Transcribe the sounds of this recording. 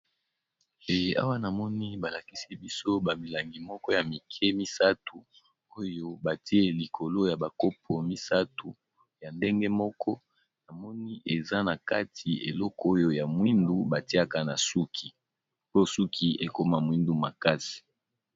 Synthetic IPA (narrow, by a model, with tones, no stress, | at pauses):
e˨a̰˦wa˦na˨mɔ˦ni˦ba˨la˨ki˦si˦bi˦so˦ba˨mi˨la˨ŋɡi˨mɔ˦kɔ˦ja˨mi˨kʰɛ˦mi˦sa˦tu˨ | o˦jo˦ba˨ti˦e˦li˨kʰo˨lo˦ja˨ba˨ko˦p̚ʰo˨mi˦sa˦tu˨ | ja˨nde˦ŋɡe˦mɔ˦kʰɔ˦ | na˨mɔ˦ni˦ʔe˨za˦na˨ka˦tʰi˨ḛ˨lɔ˦kɔ˦o˦jo˦ja˨mwi˦ndu˦ba˨ti˦a˦ka˦na˨su˦kʰi˨ | po˦su˦kʰi˨ʔe˨ko˦ma˦mwi˦ndu˦ma˨ka˦si̥˨